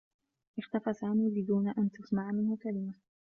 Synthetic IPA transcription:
ʔɪxt̪afasaːmiːbɪd̪uːnaʔant̪asmaʕmɪnhʊkalɪma

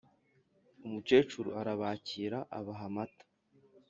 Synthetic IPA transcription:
umut͡ʃe̞ːt͡ʃuɾuaɾaβaːciːɾaʔa̰βaɦamatḁ

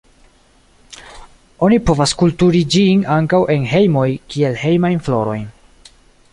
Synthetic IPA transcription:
o̞nipo̞vaskultuɾid͡ʒinaŋkawʔe̞nɦe̞jmo̞jkie̞lhe̞jmajnflo̞̰ɾo̞̰jn

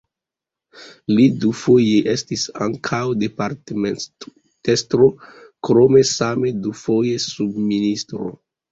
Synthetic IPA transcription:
lidufo̞jeʔestisa̰ŋkʰawde̞paɾteme | testɾo̞kɾo̞me̞same̞dufo̞je̞subministɾo̰

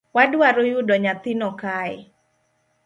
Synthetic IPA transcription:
wadwaɾojudɔɲat̪ɪnɔkaj

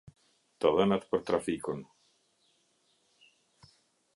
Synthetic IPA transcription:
t̪aðənat̪pəɾt̪ɾafikun

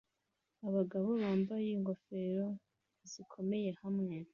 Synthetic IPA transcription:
aβaɡaβo̞βaːmbajiŋɡo̞fe̞ɾo̞ | z̥ikʰo̞me̞je̞hamŋe̞

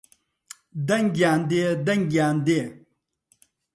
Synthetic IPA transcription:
d̪ɐŋɡʲaːnd̪ed̪ɐŋɡʲjaːnd̪eː

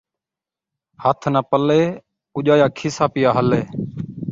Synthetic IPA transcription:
hət̪ʰnaːpəleː | ʊʄaːjaːkʰɪːsaːpɪjaːɦəleː

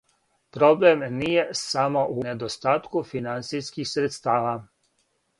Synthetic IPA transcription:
pɾo̞blemnije̞samo̞ʔuned̪ost̪aːt̪kufinant̪sijskixsɾet̪st̪aːʋa

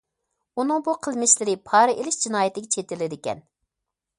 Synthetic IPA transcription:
unɨŋbuqʰəlˠmɪʃlɪɾɪpʰɑːɾɨʔelɪʃd͡ʒinɑːjɪt̪ɪɡʲɛt͡ʃʰet̪ɪlɪd̪ɪkʲɛ̰n

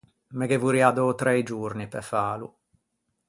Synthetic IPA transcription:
mekevuɾiad̪ɔːt̪ɾɛjd͡ʒurnipɛfaːlṵ

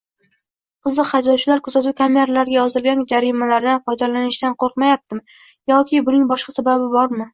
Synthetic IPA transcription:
qʰɨzlːɨqhajd̪ɒt͡ʃʰɪlaɾkʰʊzat̪ʊkʲʰameɾalaɾɡʲajɒzɪlɡʲand͡ʒaɾɪmalaɾd̪anfɒjd̪alanɪʃt̪anqʰoɾqmajap̚t̪ʰɪm | jɒkʲʰɪbʊnɪŋbɒʃqɑsababɪbɒɾmɪ

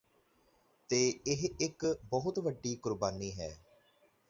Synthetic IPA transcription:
t̪eːɪɦɪkbɔɦʊt̪ʋəɖːiːkʊɾbaːniːɦɛː

